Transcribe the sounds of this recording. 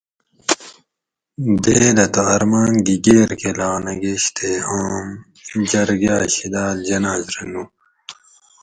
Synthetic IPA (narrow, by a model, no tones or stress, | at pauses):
d̪eːd̪ɐt̪oɐɾmaːnɡiɡeːɾkelaːnɐɡeɕt̪eɦaːm | d͡ʑɐɾɡaːɕid̪aːld͡ʑɐnaːzɾenuː